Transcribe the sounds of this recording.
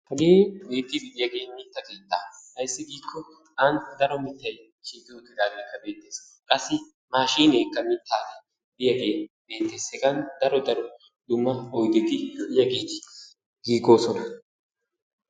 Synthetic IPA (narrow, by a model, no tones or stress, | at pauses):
hɐɡeːbe̞ːt̪ːɪbɪʔɪjɐɡe̞ːmɪt̪ːɐkeːt̪ːaːhɐjsːɪɡiːkʰːɔ | ɐnt̪d̪ɐɾɔmɪt̪ːɐj | t͡ʃiːt̪ɪʊt̪ːɪd̪aːɡeːkːɐbe̞ːt̪ːe̞ːs | kʼɐsːɪ | maːʃiːneːkːɐmɪt̪ʰːaːd̪ɛ | bɪjɐɡe̞ːbe̞ːt̪ːe̞ːshɛɡɐnd̪ɐɾɔd̪ɐɾɔ | d̪ʊmːɐɔjɡ̪ɪd̪ɪbɪjɐɡeːt̪ɪ̥ | ɡ̥iːɡo̞ːsɔnɐ